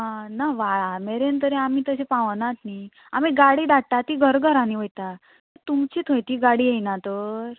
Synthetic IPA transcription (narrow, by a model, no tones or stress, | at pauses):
naʋaɭameɾent̪əɾeamiːt̪əsepãʋnat̪ni | amiɡaɽiːd̪aɽt̪at̪iːɡʱəɾɡʱəɾaniʋəjt̪a | t̪əɾt̪umt͡ɕiːt̪ʰojt̪iːɡaɽiːjejnat̪əɾ